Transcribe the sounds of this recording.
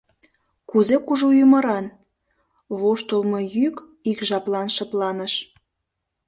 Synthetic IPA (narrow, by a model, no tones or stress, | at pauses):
kuzekuʒujumə̆ɾɑn | βoʃt̪olmɤjyk | ikʒɑplɑnʃɤ̆plɑnəʃ